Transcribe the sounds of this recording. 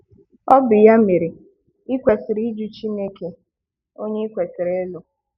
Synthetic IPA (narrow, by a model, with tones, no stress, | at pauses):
ɔ˦bɪ˨ja˦me˨ɾi˨ | ɪ˦kʷe˨sɪ˨ɾi˦d͡ʒu˦t͡ʃi˦ne˦ke˨ | o˦ɲe˦i˦kʷe˨si˨ɾe˨˦lʊ˨